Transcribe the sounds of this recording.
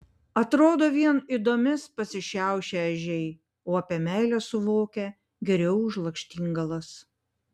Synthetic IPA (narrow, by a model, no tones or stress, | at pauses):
ɐt̪ɾoːd̪oːʋʲiɛnid̪oːmʲɪspɐsʲɪʃʲæˑʊʃʲeɐʒʲɛɪ | oːɐpʲiɛmʲæˑɪlʲɛsʊʋoːkʲɛ | ɡʲɛɾʲɛʊʊʒlˠɐkʃʲt̪ʲiːŋɡɐlˠɐs